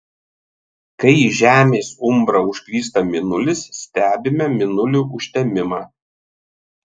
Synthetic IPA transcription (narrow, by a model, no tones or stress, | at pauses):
kɐɪiʒʲæːmʲeːsʊmbɾɐʊʃʲkʲlʲiːs̬t̪ɐmʲɪnʊlʲɪsːʲt̪ʲæːbʲɪmʲɛmʲɪnʊlʲuːʔʊʃʲt̪ʲɛmʲɪmɑː